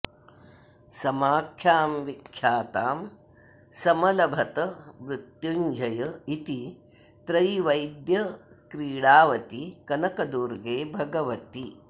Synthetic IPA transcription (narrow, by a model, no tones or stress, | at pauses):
sɐmaːkʰjaːmʋikʰjaːt̪aːm | sɐmɐlɐbʱɐt̪ɐʋɾut̪juɲd͡ʒʱɐjɐit̪i | t̪ɾɐjʋɐjd̪jɐ | kɾiːɽaːʋɐt̪ikɐnɐkɐd̪uːɾɡeːbʱɐɡɐʋɐt̪i